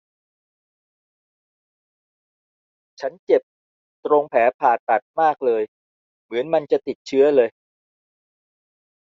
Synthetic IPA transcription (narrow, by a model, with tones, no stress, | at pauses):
t͡ɕʰa˦˥nt͡ɕe˨˩p̚ | t̪ɾo˧ŋpʰɛː˩˦pʰaː˨˩t̪̚ːa˨˩t̪̚maː˥˩k̚lɤː˧j | mɯ˩˦ənma˧nt͡ɕa˨˩t̪i˨˩t̪̚t͡ɕʰɯ˦˥ɐlɤː˧j